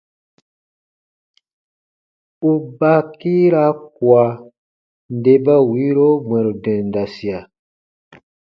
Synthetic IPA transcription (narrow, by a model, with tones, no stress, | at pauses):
u˦ba˦kiː˦ɾa˦kwa˨ | n˦de˨ba˦wi˦ɾo˦mwɛ̃˨ɾdɛ̃˨n˨da˨si˨a˨